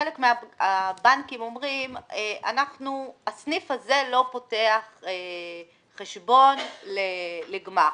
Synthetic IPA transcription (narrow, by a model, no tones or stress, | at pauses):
elekmeaabankimo̞mʁimeʔa̰naχnuasnifhaze̞lo̞po̞teaχeː | eʃbo̞nleleɡma